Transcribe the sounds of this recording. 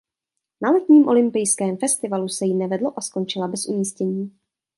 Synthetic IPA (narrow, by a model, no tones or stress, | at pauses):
nalɛt̪ɲiːmʔo̞lɪmpɪjskɛːmfɛst̪ɪvalusɛjɪnɛvɛdlo̞ʔasko̞nt͡ʃɪlabɛsʔumiːscɛɲiː